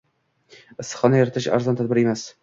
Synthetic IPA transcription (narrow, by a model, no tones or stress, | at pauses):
ɪsːχɒnajɒɾat̪ʰɪʃa̰ɾzɒnt̪ʰad̪̚bɪɾemas